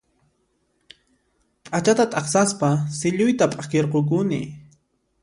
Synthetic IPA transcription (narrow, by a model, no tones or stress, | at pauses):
pʼat͡ʃat̪at̪ʼɑχsaspasɪʎʊjt̪apʼakeɾqok̬ʊnɪ̰